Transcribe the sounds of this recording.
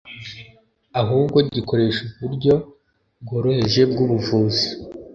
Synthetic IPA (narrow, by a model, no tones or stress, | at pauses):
aɦuːbɡo̞ɟiko̞ɾe̞ːʃuβuɾɟo̞ | bɡo̞ːɾo̞he̞ʒe̞bɡuβuvuːzi